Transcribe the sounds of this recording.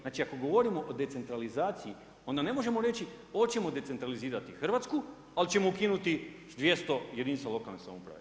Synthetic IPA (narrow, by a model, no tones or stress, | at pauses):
naːt͡ʃiako̞ɡo̞ʋo̞ɾimo̞ʔod̪e̞t̪se̞nt̪ɾalizaːt̪siji | o̞nd̪ane̞mo̞ʒe̞mo̞ɾe̞t͡ɕi | oot͡ɕe̞mo̞d̪e̞t̪e̞nt̪ɾaliziːɾat̪ixr̩ʋat̪sku | alt͡ɕe̞moukinut̪i | d̪ʋje̞st̪o̞je̞d̪inst̪alo̞kalnesa̰mopɾa̰ʋe